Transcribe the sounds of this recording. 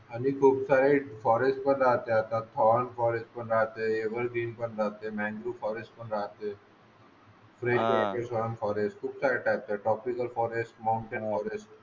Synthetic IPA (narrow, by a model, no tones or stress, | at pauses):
anikʰuːbsaɾefɔɾesʈ̚pəɳɾaɦt̪eat̪at̪ʰːɔnfɔɾesʈ̚pəɳɾaɦt̪eeʋəɾɡɾiːmpəɳɾaɦt̪emɛ̃ɳd͡ʑufɔɾesʈ̚pəɳɾaɦt̪e | fɾeɖmekeɾsʰɔənfɔɾesʈkʰuːbsaɾeʈajp̚t̪aʈɾɔpikəlfɔɾesʈmawɳʈenfɔɾesʈ̚